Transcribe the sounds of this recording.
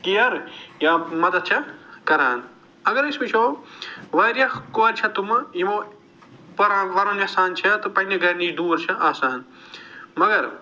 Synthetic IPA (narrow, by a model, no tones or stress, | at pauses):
kijɐɾjaːmɐd̪ɐt̪̚t͡ʃʰɐkɐɾaːn | ɐɡɐɾismit͡ʃʰoːʋɐɾjɐkoːɾʲt͡ʃʰɐt̪umjimoː | pɐɾaʋɐɾɐnɐsaːnt͡ʃʰɐt̪ɨpɐnɐɡɐnid̪uːɾt͡ʃʰɐʔaːsaːn | mɐɡɐɾ